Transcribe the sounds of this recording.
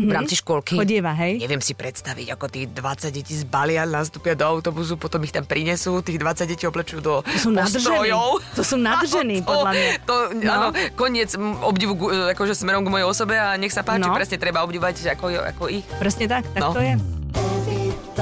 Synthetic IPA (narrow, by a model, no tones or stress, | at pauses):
vɾaːmt͡siʃkʊɔlkiɔɪɛʋaɦɛjɲɛʋɪɛmsipɾɛt̪st̪aʋḭɟakɔt̪iːɣd̪ʋat͡saɟ̚ɟɛciːzbalɪanast̪upɪad̪ɔawt̪ɔbus̬upɔt̪ɔmixt̪ampɾiɲɛsuːt̪iːɣd̪ʋat͡saɟɟɛciɔblɛt͡ʃjud̪ɔɔsumnad̪r̩ɛɔjɔʊt̪ɔsumnarʒɛniːpɔdlamɲat̪ɔaːnɔkɔɲɪɛt͡sɔbɟiʋuɡakɔʒɛsmɛɾɔmɡmɔjɛjɔsɔbɛaɲɛxsapaːnt͡ʃipɾɛsɲɛt̪ɾɛbaɔbɟiʋɔʋaca̰kɔjɛa̰kɔixpɾɛsɲɛt̪akt̪anɔt̪ɔjɛ